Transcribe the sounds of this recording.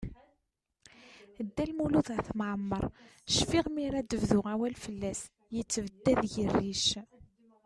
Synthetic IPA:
d̪ːælmuluðəθmʕəmːəɾˤʃfiʁmiɾæd̪əvðʊʁæwælfəlːæs | jət͡sːvəd̪ːæðʝərːiʃ

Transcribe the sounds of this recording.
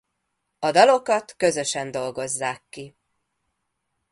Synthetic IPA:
ɒd̪ɒlo̞kɒt̪kø̞zøʃɛnd̪o̞lɡo̞zːaːkːi

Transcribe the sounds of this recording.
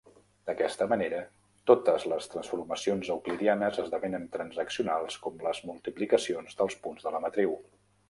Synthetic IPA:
d̪̥əkɛst̪əməneɾə | t̪ot̪əzləst̪ɾənsfuɾməsionzəwkliɾianəzəzðəβɛnənt̪ɾənzəksiunalˠskɔmləzmulˠt̪iplikəsionzðəlˠspunzðələmət̪ɾiw

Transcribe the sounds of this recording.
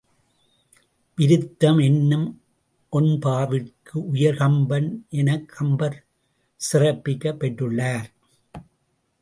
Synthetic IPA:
ʋɪɾɯt̪ːɐmɛnːɯm | ʔɔnpaːʋɪkɯʔʊjɐɾɣɐmbɐnʔɛnɐkʰːɐmbɐɾ | sɪrɐpːɪkːɐpːɛʈːɯɭːaːɾ

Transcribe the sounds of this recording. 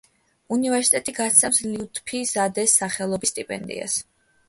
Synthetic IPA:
univɛɾsit̪ʼɛt̪ʼiɡat̪sɛpsliut̪ʰʼpʰizad̪ɛsːaχɛlˠɔbist̪ʼipʼɛ̰nd̪ḭa̰s

